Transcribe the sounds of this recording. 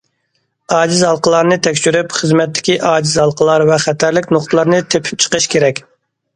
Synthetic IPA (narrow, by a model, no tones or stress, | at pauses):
ɑːd͡ʒizhɑlˠqəlˠɑɾnɨt̪ʰɛkʲʃyɾypχəzmɛt̪ːɪ̥kʲiʔɑːd͡ʒizɑlˠqəlˠɑɾvɛχɛt̪ʰæɾlɪkʲnoqt̪ʰəlˠɑɾnɨt̪ʰepʰɪ̥p̚t͡ʃʰə̥qəʃkʲʰeɾɛkʲ